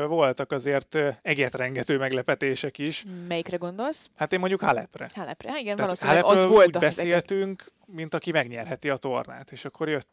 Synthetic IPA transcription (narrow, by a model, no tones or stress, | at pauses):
vo̞lt̪ɒkɒzeːrt̪ɛɟɛt̪rɛŋɡɛt̪øːmɛɡlɛpɛt̪eːʃɛkiʃmɛjikrɛɡond̪o̞lshat̪eːmo̞ɲɟukhalɛ̰prɛ̰halɛprɛiɡɛaɒloːalɛøːloulːɟbɛseːlt̪yŋk | mint̪ɒkimɛɡɲɛrɦɛt̪iɒt̪o̞rna̰ːt̪eːʃɒkːo̞rjøt̪ː